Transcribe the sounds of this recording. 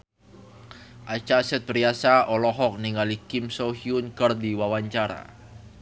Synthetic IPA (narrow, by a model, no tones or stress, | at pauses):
ʔat͡ʃasɛt̪̚bɾiasaɔlɔɦɔk̚niŋalikɪmsɔɦiunkərdiwawaɲt͡ʃaɾa̰